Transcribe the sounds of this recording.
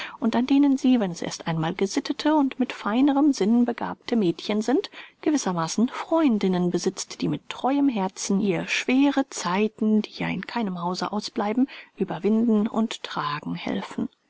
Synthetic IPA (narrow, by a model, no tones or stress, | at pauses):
ʔʊntandeːnənziːvɛnɛsʔḛːɐstʔaɪnmaːlɡəzɪtʰətʰəʊntmɪtfaɪnəʁəmzɪnbəɡa̰ːp̚tʰəmɛːtçənzɪntɡ̥əvɪsɐmaːsn̩fʁ̥ɔʏndɪnənbəzɪt͡std̥iːmɪtʰːʁ̥ɔʏəmɦɛɐt͡sn̩iːɐəʃv̥eːʁət͡saɪtn̩d̥iːja̰ːɪ̰nkʰaɪnəmhaʊzə̰ʔaʊsb̥laɪbm̩ʔyːbɐvɪndn̩ʊ̰nttʁ̥aːɡŋ̩hɛ̰lfn̩